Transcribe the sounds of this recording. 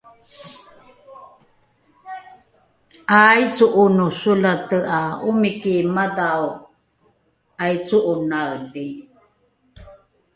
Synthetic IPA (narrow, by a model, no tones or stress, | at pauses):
ajt͡suʔunusulatəaumikimadaw | ajt͡suʔunaəli